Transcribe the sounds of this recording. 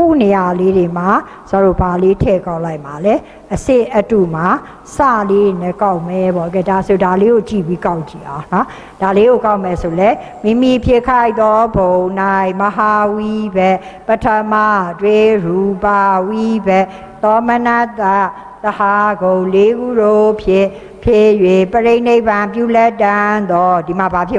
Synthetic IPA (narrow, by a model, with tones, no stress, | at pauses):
kṵ˦˨ne˨ja˨le˦ɾe˨ma˨ | sa˨ɾo˦˨ba˨le˦tʰɛ˦˨kã˦ʊ̃la˦ɪʔma˨lɛ˦ | ʔəsɪ̃˦˨ʔətu˦˨ma˨ | sa̰˦˨le˦ɹe˨nɛ˦˨ka˦ʊʔmɛ˨bɔ˦˨ʔk̬ɛ˨da˨so˨da˨le˦ɡo˨t͡ɕḭ˦˨bi˦ka˦ʊʔt͡ɕi˨ʔã˨˦ʊ̃nɔ˦ | d̥a˨le˦ɡo˨ka˦ʊʔmɛ˨so˨lɛ˦ | mĩ˦˨mi˦˨pʰjɪ˦˨kʰa˦ɪʔt̪ɔ˦bõ˨na˦˨məɦa˨wi˦bɛ˦˨ʔ | pə˨tʰə˦ma˦˨twe˦ɹu˨pa˨wi˦bɛ˦ʔ | t̪ɔ˦mə˦na˦t̪a˦ | t̪əha˦˨ɡõ˨le˦ɡu˦˨ɾo˦pʰjɪ̃˦˨ | pʰje˦˨jwɪ̃˦˨pəɹe˦ɪ̃ne˦˨ɪ̃˨bã˨mp̬ju˦˨lɛ˦tːã˦nd̪ɔ˦di˨ma˨ba˨pʰjɪ̃˦